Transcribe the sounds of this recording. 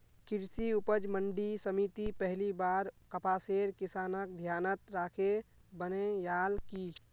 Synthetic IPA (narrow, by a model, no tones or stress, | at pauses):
kɪɾsiʊpəd͡ʒməɳɖisəmit̪ipəɦlibaːɾkəpaːseːɾkɪsaːnək̚d̪ʱjaːnət̪ɾaːkʰebənejaːlki